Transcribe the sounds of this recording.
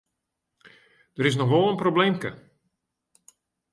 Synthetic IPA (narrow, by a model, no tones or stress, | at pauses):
d̥əɾɪs̬nɔxʋɔlˠənprobleːmkə